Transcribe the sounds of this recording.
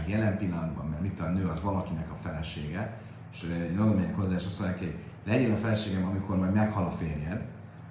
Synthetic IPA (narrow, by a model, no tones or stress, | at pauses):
kjɛlɛmpilːɒnd̪bɒ̰mːɛrmit̪ːoanøːɒzʋɒlɒkinɛkɒfɛlɛʃeːɡɛ | eʃøenolomɛjɛŋkhozːaːʃɒsonɛkioɟ | lɛɟenɒfɛlɛʃeːɡɛmɒmiko̞rmɒjd̪mɛkhɒlɒfeːrjɛb